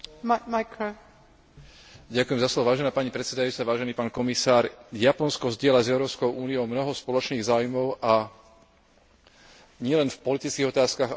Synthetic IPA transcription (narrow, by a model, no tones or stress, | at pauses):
makʰɾo | ɟakujɛmzaslɔʋɔʋaːʒɛnaːpaɲipɾɛt̪sɛd̪ajuːt͡saʋaːʒɛniːpaːnkɔmisaːɾjapɔnskɔzɟɪɛlazɛʊɾɔːskɔʊʔuːnijɔʊmnɔɦɔspɔlɔt͡ʃniːɣzaːwujmɔʊʔa | ɲɪɛlɛnfpɔlit̪it͡skiːɣɔt̪aːskaɣ